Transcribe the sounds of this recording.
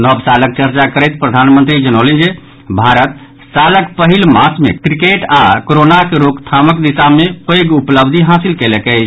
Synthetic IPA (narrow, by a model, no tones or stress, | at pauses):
nəbsalək̚t͡ʃəɾt͡ʃakəɾɛjt̪̚pɾəd̪ʱanmənt̪ɾid͡ʒənəlend͡ʒe | bʱaɾət̪̚ | saləkpəɦilmasmekɾikeʈakoɾonakeɾokt̪ʰaməkd̪isamepəjɡupləbd̪ʱiɦasilkelekəɪt͡ʃʰ